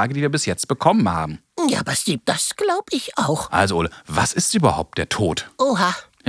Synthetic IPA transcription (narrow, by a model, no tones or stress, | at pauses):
aːɡədiːviːɐbɪsjɛt͡st̚b̥əkʰɔmənha̰ːbm̩ja̰ːbasdiːp̚d̥asɡ̥laʊbəɪçaʊxʔa̰lzoʔoːləva̰sɪstʔyːbɐha̰ʊp̚t̚d̥eːɐtʰoːtʔoɦa